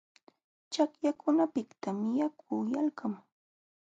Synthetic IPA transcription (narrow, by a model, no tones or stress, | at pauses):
t͡ʃakjakʊnapɪkt̪amɪjakʰʊːjalkam